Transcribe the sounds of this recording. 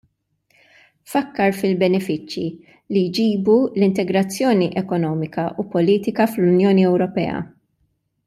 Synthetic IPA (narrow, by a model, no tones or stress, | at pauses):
fɐkːɐɾfɪlbɛnɛfɪt͡ʃːji | lijd͡ʒiːbulɪnt̪ɛɡɾɐt͡sːjɔːniʔɛkɔnɔːmɪkɐʔupɔliːt̪ɪkɐflʊnjɔːniɛwɾɔpɛ̰ːɐ̰